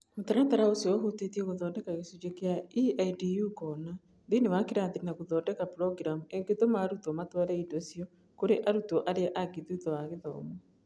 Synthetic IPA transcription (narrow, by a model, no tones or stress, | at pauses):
motaɾataɾaosioɦotetiɛɣoðɔːndɛkaɣesud͡ʒekeaiaidijukɔːna | ðenewakiɾaːnðiɾinaɣoðɔdɛkapɾɔɡɾamueŋɡetomaːɾutɔmatwaɾɛidosiɔ | koɾeʔaɾutɔʔaɾeaʔaɡiðiutɔaɣeðɔ̰ːmɔ